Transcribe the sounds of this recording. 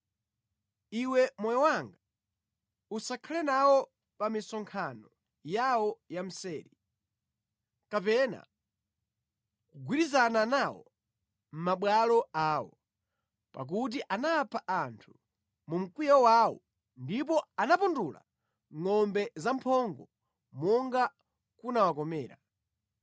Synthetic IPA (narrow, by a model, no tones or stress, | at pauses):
iwɛmɔjɔwaŋɡa | usakʰalɛnawɔ | pamisɔŋkʰanɔ | jawɔjam̩sɛːɾi | kapɛna̰ | kuɡwiɾizananawɔ̰ | m̩maɓwalɔaːwɔ | pa̰k̬ut̬iʔanapʰaʔantʰu | mum̩kwijɔwawɔ̰ | ndipɔanapundula̰ | ŋɔmbɛzampʰɔŋɡɔ | mɔŋɡa | kunawakɔmɛ̰ːɾa